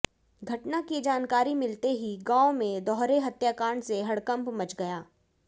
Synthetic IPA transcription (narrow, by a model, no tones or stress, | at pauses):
ɡʱɐʈnakid͡ʒaːnkaːɾimɪlt̪eɦiɡãːomẽd̪ɔːɦɾeɦɐt̪jaːkaːɾəɳseɦɐɽkə̃mpmɐt͡ʃɡɐjaː